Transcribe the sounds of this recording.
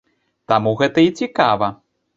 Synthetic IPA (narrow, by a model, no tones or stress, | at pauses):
t̪amuɣɛt̪ɐit͡sʲikavɐ